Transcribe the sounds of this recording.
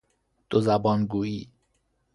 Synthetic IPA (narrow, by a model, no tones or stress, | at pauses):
d̪̥ozæbɒːnɡuːiː